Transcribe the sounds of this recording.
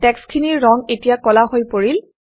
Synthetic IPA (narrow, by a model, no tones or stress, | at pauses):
tɛkskʰiniɹːɔŋetijakɔlahojpoɹil